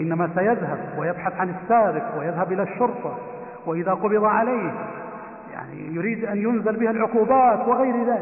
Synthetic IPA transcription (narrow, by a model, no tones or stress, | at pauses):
ʔɪnːamasajaðhabwɪjabħaθʕanɪsːaːbɪqwɪjaðhabʔɪlaʃːʊɾt̪ˤɑ | wɪʔɪðaːqʊbɪd̪ˤɑʕalajh | ja̰ʕnḭjʊɾiːd̪ʔanjʊnzɪlbɪhalʕʊquːbaːt̪wɪɣajɾɪðaːlɪ